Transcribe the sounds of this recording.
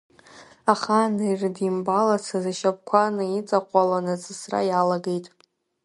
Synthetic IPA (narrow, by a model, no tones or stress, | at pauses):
aχanairdimbalat͡sʰazaʃap̚ʼkʷʰanɨit͡sʼaqʷʼalanat͡sʼɨsra̰jalaɡejtʼ